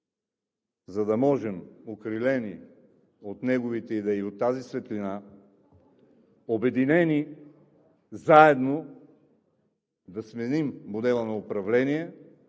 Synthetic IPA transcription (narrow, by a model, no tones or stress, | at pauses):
zɐd̪ɐmɔʒɛmokɾilɛni | ot̪nɛɡovit̪ɛid̪ɛiot̪ːazisvɛt̪lina | obɛd̪inɛni | zaɛd̪no | d̪ɐsmɛnimbʊd̪ɛlˠənɐopɾɐvlɛniɛ